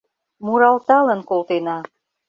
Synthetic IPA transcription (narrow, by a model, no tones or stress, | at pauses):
muɾɑlt̪ɑlə̆nkolt̪enɑ